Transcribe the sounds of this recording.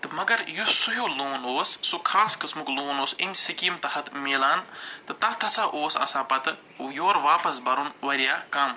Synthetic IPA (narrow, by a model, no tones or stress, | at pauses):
t̪ɨmɐɡɐɾjusuɦjoːloːnoːsːokʰaːskɨsmukloːnoːsimʲsikiːmt̪ɐɦɐt̪meːlaːnt̪ɨt̪ɐt̪ʰɐsãːʔoːsɐ̰sãːpɐt̪ɨ | joːɾʋaːpɐsbɐɾunʋɐɾijaːkɐm